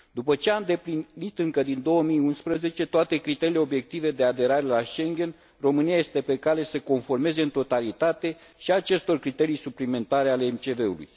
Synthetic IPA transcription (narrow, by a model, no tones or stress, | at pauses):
d̪upət͡ʃe̞aɨnd̪e̞plinit̪ɨŋkəd̪ind̪o̞wəmijunspɾəze̞t͡ʃe̞t̪oat̪e̞kɾit̪eile̞o̞bje̞k̚t̪ive̞d̪e̞ad̪e̞ɾaɾe̞laʃe̞ŋɡʲe̞n | ro̞mɨniaje̞st̪e̞pe̞kale̞səko̞nfo̞rme̞ze̞ɨnt̪o̞t̪alit̪at̪e̞ʃiat͡ʃe̞st̪o̞rkɾit̪e̞ɾijsuplime̞nt̪aɾe̞aleːmt͡ʃe̞ve̞ṵlṵj